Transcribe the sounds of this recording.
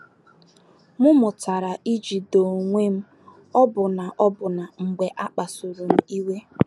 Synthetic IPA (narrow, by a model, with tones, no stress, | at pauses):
mʊ˦mʊ˨ta˨ɾa˨ʔi˦d͡ʒi˨do˨ŋʷe˦m̩˦ | ɔ˦bʊ˨na˨ʔɔ˦bʊ˨na˨ŋ͡m̩˨ɡ͡be˨ʔa˦k͡pa˨su˨ɾu˨m̩˦i˦we˦